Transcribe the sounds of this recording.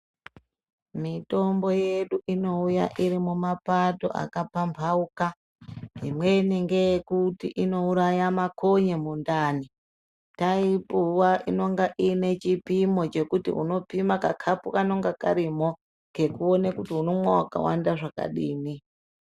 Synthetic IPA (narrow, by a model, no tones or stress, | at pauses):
mito̞mbo̞je̞ɗuʔino̞uja̰ʔiɾimumapato̞̰ʔa̰kapampʰauka | ɦḭmwe̞niŋɡe̞jekutḭʔino̞uɾajamakoɲemundaːni | taipuwaʔino̞ŋɡaʔine̞t͡ʃipimo̞t͡ʃe̞kutḭṵno̞pimakakʰapukanoŋɡaka̰ɾimo | ke̞kuonekutiuno̞mwawaka̰wa̰ndaʐaka̰ɗiːni